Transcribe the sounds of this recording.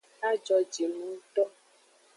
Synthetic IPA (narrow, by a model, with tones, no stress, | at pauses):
a˦d͡ʒɔ˧d͡ʒi˨nũ˨˦t̪ɔ˦